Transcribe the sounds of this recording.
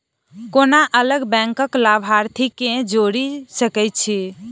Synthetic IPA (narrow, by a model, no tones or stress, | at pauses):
konaʔələɡbɛ̃ŋkəklabʱaɾt̪ʰikẽd͡ʒoɾisəkɛjt̪̚t͡ʃʰi